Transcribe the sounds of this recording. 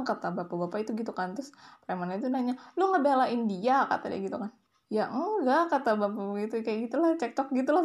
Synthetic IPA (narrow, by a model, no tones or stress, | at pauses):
kat̪abapabapait̪uɡit̪ukant̪ɾʊspɾamanait̪̬unaɲaluŋɡabealaindiaka̰t̪a̰da̰ɡit̪ukan | jaɡakat̪abapabɡit̪ukajaɡit̪ulaht͡ʃɛk̚t͡ʃɔk̚ɡit̪ula